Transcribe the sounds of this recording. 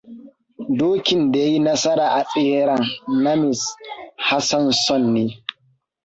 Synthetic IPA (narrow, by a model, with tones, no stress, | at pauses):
doː˦kʲi˨ndɛ˨˦jnɐ˦sɐ˦ɾa˨ʔa˨t͡sʼɪ˦hɾa˨nːa˦mɪ˨sha˦sa˦nsɔ˦nːi˦